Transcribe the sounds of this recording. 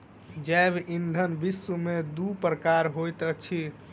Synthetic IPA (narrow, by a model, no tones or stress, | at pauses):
d͡ʒɛbind̪ʱənbisumed̪upɾəkaɾɦojt̪ət͡ʃʰi